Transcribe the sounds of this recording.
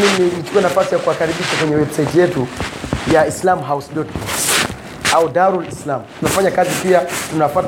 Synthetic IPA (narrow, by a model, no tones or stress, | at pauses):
nininit͡ʃu̥kuɛnafasijakuakaɾiɓiʃakwɛɲɛwɛbsad͡ʒjɛtujaislamɦausdɔtkɔms | audaɾulislamtunafaɲakazipiatunafat